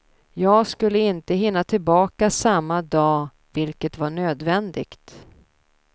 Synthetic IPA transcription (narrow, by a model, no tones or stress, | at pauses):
jɑːɡskɵlːəɪnt̪əɦɪnːat̪ʰɪlbɑːkasamːad̪ɑː | vɪlkət̪vaɳøːd̪vɛnd̪ɪ̰ɡt̪